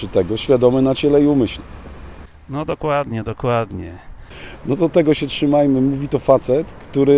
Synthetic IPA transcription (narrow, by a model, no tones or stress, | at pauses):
ɘt̪ɛɡɔɕfʲjad̪ɔmɘnat͡ɕɛlɛiumɘɕlɛ | nɔd̪ɔkwad̪ɲɛd̪ɔkwad̪ɲɛnɔd̪ɔt̪ɛɡɔɕɛtʂɘmajmɘmuvʲit̪ɔfat̪sɛt̪kt̪uɾɘ